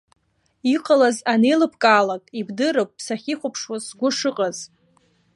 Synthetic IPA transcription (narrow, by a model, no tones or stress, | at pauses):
iqʼalazanejlɨpʰkʼaːlakʼibdɨɾɨpʼːʰsaχʲiχʷʊpʰʂwasɡʷʊʂɨqʼaz̥